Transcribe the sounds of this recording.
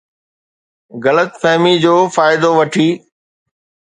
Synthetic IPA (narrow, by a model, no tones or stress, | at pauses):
ɣɐlət̪fɛɦmid͡ʑoːfaːɪd̪oʋɐʈʰiː